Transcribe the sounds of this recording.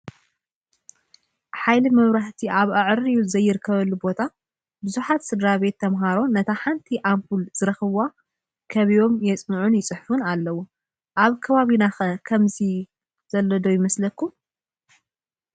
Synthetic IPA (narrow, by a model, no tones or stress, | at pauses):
ħajlimɐβɾaħt̪ʰiʔaβaʕɾijuzɐjːɪɾɨkʰːɐβɐlːubo̞t̪ʰa | bɨzuħat̪sɨd̪ɾaβe̞t̪ʰːɐmɦaɾo̞nɐt̪ʰaħant̪ʰiʔampulzɨɾɐxɨβa | kʰɐβijo̞mjɛt͡sʼnɨʕunjɪt͡sʼɨħfunalːɐwu | ʔaβkʰɐβaβinaxɐkʰɐmzi | z̥ɐlːɐd̪o̞jɪmɐslɐkːu